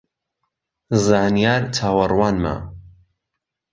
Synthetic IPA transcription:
zaːnijaːɾtʰaːwɐrwaːnma̰ː

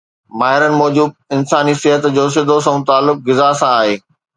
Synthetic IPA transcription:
maːɦɪɾənɪ̆mɔːd͡ʑuːb̚ɪnsaːnisɪɦət̪d͡ʑoːs̬ɪd̪ʱos̬ɐ̃ũt̪aːlːʊk̚ɡɪzasãaːɦeː

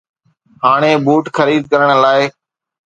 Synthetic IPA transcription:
ɦaːɽ̃ẽːbuːʈxʰəɾiːd̪̚kəɾəɳ̃laːeː

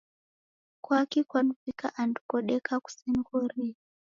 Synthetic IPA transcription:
kwakikwanupikaʔandu̥kɔɗɛkʰaku̥sɛnɡɔɾi

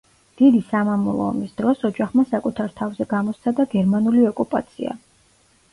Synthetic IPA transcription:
d̪̥id̪isamamɔlˠɔ̰ɔ̰misd̪̥ɾɔsɔd͡ʒaχmasakʼut̪ʰaɾt̪ʰavzɛɡamɔst̪sʰad̪aɡɛɾmanuliɔkʼupʼa̰t̪sʰḭa̰

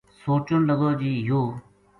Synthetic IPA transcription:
soːt͡ʃʊnləɡoːd͡ʒiːjoː

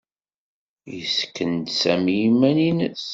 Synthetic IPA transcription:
jəskːənd̪sæmijimæninəs

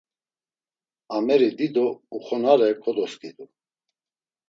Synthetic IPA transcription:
amɛɾid̪id̪ɔuχɔnaɾɛkʰʼɔd̪ɔskʼid̪u

